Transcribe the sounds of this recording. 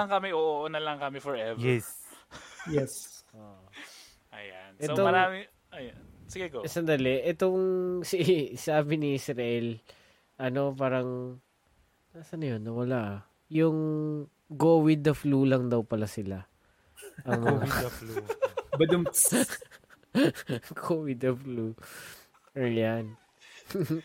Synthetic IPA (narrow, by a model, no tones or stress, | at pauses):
ɐŋkɐmɪʔoʔoʔonɐlɐŋkɐmɛfɔɹʔɛvjɛs | jɛsʔoʔ | ʔɐjanʔɛtoomɐɾaːmɪ | ʔɐjansɪɡɪkosɐnd̪ɐlɛʔɛt̪oŋsisaːbɪniʔɪsɾɐʔɛl | ʔɐno̞p̬aːɾɐŋ | naːsɐnɐjo̞nːɐwɐlaʔ | jʊŋ | ɡoːwɪd̪ɐflulɐŋd̪ɐwpɐlasɪla | ʔɐŋaɐflubɐd̪m | kʰowɪd̪ɐflu | ʔɐjan